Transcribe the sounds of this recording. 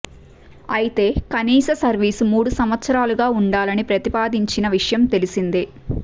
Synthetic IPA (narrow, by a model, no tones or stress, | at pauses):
ɐjit̪e̞ːkɐniːsɐsɐɾʋiːsumuːɽusɐmʋɐt̪sɐɾaːluɡaːuɳɖaːlɐnipɾɐt̪ipaːd̪iɲt͡ʃinɐʋiʂɐjɐmt̪e̞lisind̪i